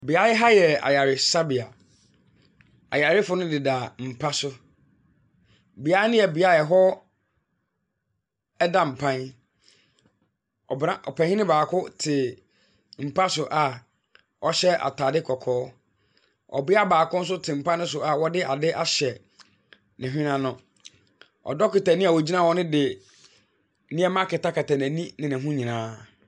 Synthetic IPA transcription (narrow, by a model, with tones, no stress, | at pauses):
bi˨a˦ɪ˦ɦa˦jɛ˨a̰˨ja˨ɾɪ˨sa˦bi˨a˨ | a̰˨ja˨ɾɪ˦fʊ˨˦nʊ̃˦dɪ˨da˨m̩˨pʰa˦sʊ˦ | bi˨a˦nʊ̃˦jɛ˨bi˨a˦˨ɛ˨ɦɔ˦ | ɛ˦da˨m̩˨pʰã˦n | ɔ̰˨bɾã˦ʔɔ̰˨pʰã˨hĩ˦nɪ̃˦baː˨kʰʊ˦tʰɪ˨ | m̩˨pʰa˦sʊ˨ʔa˨ | ɔ˦ɕɛ˦ʔa̰˨tʰaː˨dɪ˦kʰɔ˨kʰɔː˨˦ | ɔ̰˨bɪ˦a˦baː˨kʊ˦n̩˦s̬ʊ˦tʰɪ˨m̩˨pa˦nɪ̃˦sʊ˨a˨wɔ˦dɪ˦ʔa˨dɪ˦ʔa˦ɕɛ˨ | nɪ̃˨ɦᶣɪ̃˦nã˦nʊ̃˦ | ɔ̰˨dɔ˦kɪ˨ta˨nĩ˦a˨wo˨d͡ʑi˦nã˦˨wɔ˦nɪ̃˦dɪ˨˦ | nĩ˦ɛ˦mã˦kɪ˨ta˦kʰa˨tʰa˨n˨æ̃˨nĩ˦nɪ̃˨nɪ̃˨ɦũ˦ɲĩ˨nãː˦